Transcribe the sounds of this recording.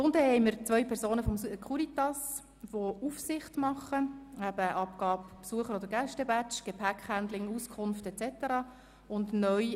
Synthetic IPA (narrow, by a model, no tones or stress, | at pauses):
sʊndəhɛɪməɾt͡sʋœʏpʰɛɾzoːnəfɔmkχuɾit̪ɑs | ʋoufsɪχtmɑχəæbəʔɑpɡ̥ɑːppsuəχəɾod̪əɾɡæʃtɛbæt͡ʃɡ̥epʰækhænd̪lɪŋuskʰʊnftɛt͡sɛt̪əɾɑː | ʊndnœj